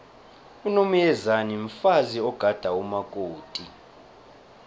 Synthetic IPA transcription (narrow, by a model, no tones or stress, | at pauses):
unomujɛzaniɱfaziɔɡ̥ʱad̥ʱaumakʼoːtʼi